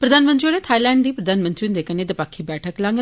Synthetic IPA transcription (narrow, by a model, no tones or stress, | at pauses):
pɾəd̪aːnmənt̪ɾioːɽeːt̪ʰaːilɛ̃ːɳɖd̪iːpɾəd̪aːnmə̃nt̪ɾiʊnd̪eːkəneːd̪əpaːkʰːibɛːʈʰəklãŋɡ